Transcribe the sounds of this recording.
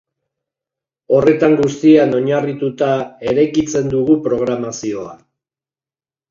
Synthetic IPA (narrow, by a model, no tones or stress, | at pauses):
o̞re̞t̪aŋɡust̪iano̞ɲarit̪ut̪ae̞ɾajkit͡se̞nd̪uɣupɾo̞ɣ̞ɾamasio̞a̰